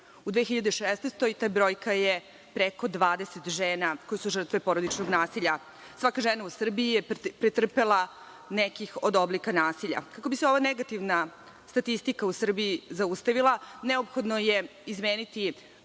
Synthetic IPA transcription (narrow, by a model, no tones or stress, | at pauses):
ud̪ʋeçiʎad̪eʃest̪nest̪ojt̪aːbɾo̞ːjkaje | pɾeko̞d̪ʋaːd̪e̞set̪ʒeːnako̞jisuʒr̩t̪ʋe̞po̞ɾod̪it͡ʃnoɡnaːsiʎa | sʋakaʒenausr̩biijepɾet̪r̩pelˠa | nekixo̞d̪o̞blikanaːsiʎa̰kakobiseo̞ʋaneɡat̪iʋna | st̪at̪ist̪ikausr̩biizaust̪aʋilˠane̞opxo̞d̪noje̞izmeːnit̪i